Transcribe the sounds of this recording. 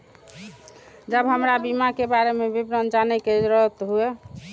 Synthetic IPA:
d͡ʒəbɦəmɾabimakebaɾemebibɾənd͡ʒanɛked͡ʒɾəɦt̪ɦue

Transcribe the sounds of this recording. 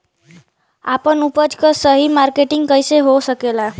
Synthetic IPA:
apənupəd͡ʒkəsəɦimaɾkeʈɪŋɡ̚kəjseɦosəkela

